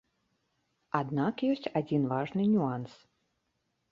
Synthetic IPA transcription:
ad̪nakjɔsʲt͡sʲad͡zʲinvaʐnɨnʲuans

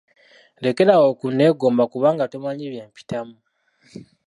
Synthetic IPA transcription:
le̞ke̞ɾawo̞ːkunːe̞ːɡo̞ːmbakuβaːŋɡatomaɲiβje̞ːmpi̥tamu

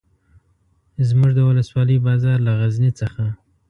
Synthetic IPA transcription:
zmuʐd̪əwʊləswɑləjbɑzɑɾlaɣaznit͡səxa

